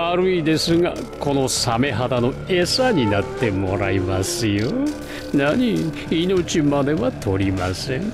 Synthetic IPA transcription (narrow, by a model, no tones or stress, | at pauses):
aɾɯid̪e̞sɨɡa̰ | ko̞no̞same̞ɦat̪ano̞e̞saɲ̟inat̪ːe̞mo̞ɾaimasɨjo | naɲi | ino̞t͡ɕimad̪e̞βat̪ʰo̞ɾʲimasẽŋ